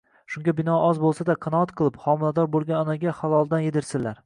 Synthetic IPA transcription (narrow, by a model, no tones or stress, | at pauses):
ʃʊŋɡʲabɪnɒʔɒzbolˠsad̪aqʰɑnɒat̪qʰɨlˠɪpχɒmɪlad̪ɒɾbolˠɡʲanɒnaɡʲahalˠɒlˠd̪anjed̪ɪɾsɪlaɾ